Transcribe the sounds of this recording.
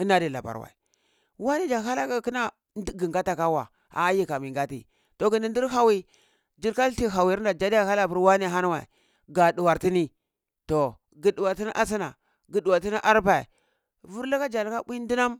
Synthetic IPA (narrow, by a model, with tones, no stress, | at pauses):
i˦na˦di˨la̰˨ba̰˨ɾwa̰˨i˨ | wa˦ne˦d͡ʒa˨ɦa˦la˦ka˦ki˦na˦ | dɡi˨ŋɡa˦ta˨ka˦wa̰˨ | a̰˨˦ji˦ka˨mi˨ŋɡa˦tḭ˨ | to˨ɡi˨ndi˨ndi˦ɦa˨wi˨ | d͡ʒi˦ɾka˦lti˦˨ɦa˨wi˨˦nda˨d͡ʒa˦di˦ja˦˨ha˦la˦vu˦ɾwa˦ne˨ɦa˦n˦wa̰˨ḭ˨ | ɡa˨du˨wa˨ɾti˦ni˦ | to˨ | ɡi˨du˨wa˨ɾti˦ni˦ʔa˦s̬i˦na˨ | ɡi˨du˨wa˨ɾti˦ni˦ʔa˦ɾpa˨ḭ˨ | vu˦ɾla˦ka˦d͡ʒa˨la˦ka˦bi˦ndi˦na˦m